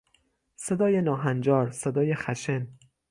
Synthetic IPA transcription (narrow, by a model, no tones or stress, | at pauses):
sed̪ɒːjenɒːɦænd͡ʒɒːɾsed̪ɒːje̞xæʃen